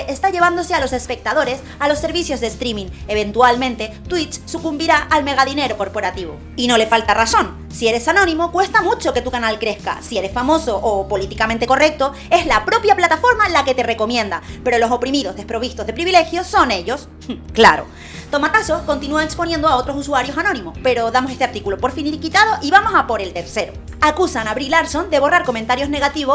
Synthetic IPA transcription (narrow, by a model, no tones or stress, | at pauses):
ʔest̪aʝe̞β̞and̪o̞se̞alo̞se̞spe̞k̚t̪aðo̞ɾe̞s | alo̞sːe̞ɾβisjo̞zðest̪ɾimĩŋe̞βe̞nt̪walmẽnt̪e̞t̪wit͡ʃsukumbiɾaʔːlme̞ɣ̞aðine̞ɾo̞ko̞ɾpo̞ɾat̪iβ̞o̞̰ | ino̞le̞falt̪araso̞n | sie̞ɾe̞sanõ̞nĩmo̞kwe̞st̪amut͡ʃo̞ke̞t̪ukanalkɾe̞ska̰sie̞ɾe̞sfamo̞so̞ʔːpo̞lit̪ikament̪e̞ko̞rek̚t̪o̞ | e̞zlapɾo̞pjaplat̪afo̞ɾmalake̞t̪e̞re̞ko̞mjẽ̞nd̪ape̞ɾo̞lo̞so̞pɾimiðo̞zðe̞spɾo̞β̞ist̪ozðe̞pɾiβile̞xjo̞so̞ne̞ʎo̞s | kla̰ɾo̞̰ | t̪o̞mat̪aso̞sko̞nt̪inuaekspo̞nje̞nd̪oao̞t̪ɾo̞suswaɾjo̞sanõ̞nĩmo̞spe̞ɾo̞ðamose̞st̪eaɾt̪ikulo̞po̞ɾfiniɾikit̪aðo̞ʔiβamo̞sapo̞ɾe̞lt̪e̞ɾse̞ɾo̞ | akusanaβɾilaɾso̞nd̪eβo̞raɾko̞ment̪aɾjo̞zne̞ɣat̪iβos